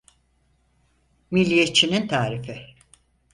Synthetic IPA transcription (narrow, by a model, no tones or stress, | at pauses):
milʲːijet͡ʃʰinint̪ʰaːɾifɪ